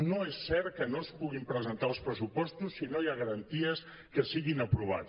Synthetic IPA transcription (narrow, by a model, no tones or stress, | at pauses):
noesːɛɾkənospuɣimpɾəzənt̪alˠspɾəsupɔst̪usːinojaɣəɾənt̪iəs | kəsiɣinəpɾuβ̞a̰t͡s